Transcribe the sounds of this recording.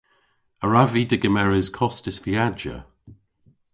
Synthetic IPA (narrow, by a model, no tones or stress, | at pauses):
əɹavidɪɡəmɛɹɪz̥kʰɔstɪsviad͡ʒə̰